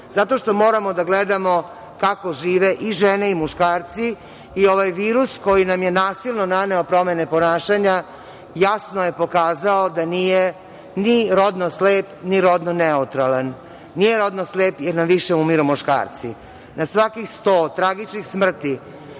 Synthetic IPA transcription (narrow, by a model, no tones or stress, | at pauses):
zat̪o̞ʃt̪o̞mo̞ːɾamo̞d̪aɡled̪amo̞ | kako̞ʒiːʋeʔiʒeneimuʃkaːɾt̪si | io̞ʋajʋiːɾusko̞jinamje̞naːsilˠnonane̞opɾo̞me̞nepo̞naːʃaɲa | jasnoje̞po̞kaːzaod̪anije | niɾo̞d̪nosleːpniɾo̞d̪noneut̪ɾalan | nijeɾo̞d̪nosleːpjeɾnamʋiʃeumiɾumuʃka̰ːɾt̪sḭ | nasʋakixst̪oːt̪ɾaɡit͡ʃnixsmr̩t̪i